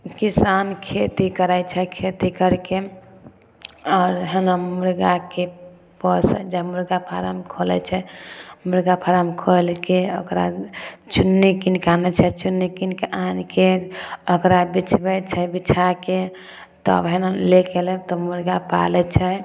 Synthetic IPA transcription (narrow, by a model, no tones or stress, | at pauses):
kisankʰet̪ikəɾajt͡ʃʰɛkʰet̪ikəɾke | ɔːɾɦənamuɾɡake | pɔsd͡ʒamuɾɡapʰaɾa̰mkʰolɛ̰t͡ʃʰɛmuɾɡapʰaɾamkʰolkeo̰kɾa̰t͡ʃunːikinkanɛt͡ʃʰɛt͡ʃunːikinkankeəkɾabit͡ʃʰbɛt͡ʃʰɛbit͡ʃʰake | t̪ɔ̰bɦenlekelɛt̪ɔmuɾɡapa̰lɛt͡ʃʰɛ